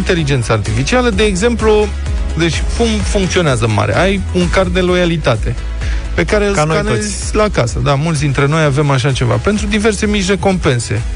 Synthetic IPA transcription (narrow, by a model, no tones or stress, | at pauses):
nt̪e̞lid͡ʒent̪səart̪ifit͡ʃialəd̪e̞ːɡze̞mplu | d̪e̞t͡ʃʲkumfuŋkt̪sio̞neazəma̰ɾe̞̰ʔaj | uŋkard̪e̞lo̞jalit̪at̪e̞ | pe̞kaɾeɨlsnanezʲ | lakasəd̪amult̪sd̪int̪ɾe̞no̞jave̞maʃ̬at͡ʃe̞va̰pe̞nt̪ɾud̪ive̞rse̞mit͡ʃ̬ʲre̞ko̞mpe̞nse̞̰